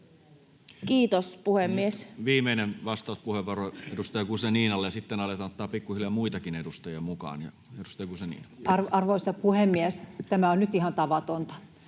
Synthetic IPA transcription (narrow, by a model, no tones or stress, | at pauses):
kiːt̪ospuhemːiesʋiːmeinenʋɑst̪ɑˑuspuheʋːɑroedust̪ɑjɑɡuseniːnɑlːejɑsit̪ːenɑlet̪ɑnt̪ːˑɑːpikːuhilɑmuit̪ɑkinedust̪ɑjiɑmukɑ̰ːnjɑ̰ | edust̪ɑjɑɡusenḭːnɑɑrɑrʋoisɑpuhemːiɛst̪æmæonnyt̪ihɑnt̪ɑʋɑt̪ont̪ɑ̥